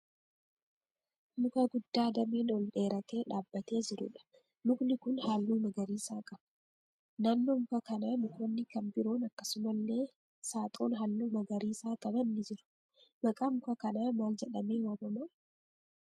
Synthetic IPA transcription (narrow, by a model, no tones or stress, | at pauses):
nʊkʼɐɡʊd̪ːaːd̪ɐmiːnɔlɗe̞ːɾɐt̪e̞ːᶑaːbːɐt̪e̞ːd͡ʒɪɾʊ̰ᶑɐ̥ | nʊknɪkʊnhalːuːmɐɡɐɾiːsaːkʼɐbɐ̥ | nɐnːomʊkɐkɐnɐmʊkoːnːɪkɐmbɪɾoːnɐkːɐsʊmɐlːe̞ː | saːt̪ʼoːnɦɐlːuːmɐɡɐɾiːsaːkʼɐbɐnːɪd͡ʒɪɾʊ̥ | bɐkʼɐmʊkɐkɐnɐmaːld͡ʒɛᶑɐmeːwaːbɐmɐ